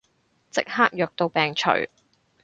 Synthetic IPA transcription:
t͡sɪ̰˥k̚haː˥k̚jœː˨k̚t̪o˧wpɛː˨ŋt͡ʃʰɵ̰˨˩ɥ

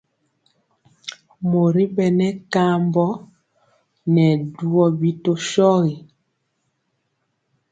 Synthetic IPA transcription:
mo˨ɾi˦bɛ˨nɛ˦ka˦mbɔ˦ | nɛ˨du˦ɔ˦bi˦to˦ʃɔ˦ɣi˨

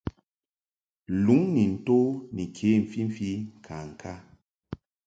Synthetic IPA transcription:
lu˨˦ŋni˨n̩˨to˦ni˨kʰe˨˦˨m̩˨fi˦m̩˨fi˦ŋ̩˨kʰa˨ŋ̩˨kʰa˦

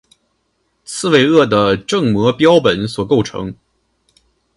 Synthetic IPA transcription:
t͡sʰɹ̩˥˧we˥˧ɪɤ˥˩d̪ə˩ʈ͡ʂɤ˥˩ŋmwɤɔ˧˥pjɑ˥ʊpə˨˩nswɔ˨˩ko˥˩ʊʈ͡ʂʰɤ̰˧˥ŋ

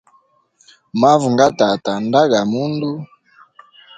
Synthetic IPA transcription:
ma˦vu˨ŋɡa˦ta˨ta˨nda˦ɡa˨mu˦ndu˦

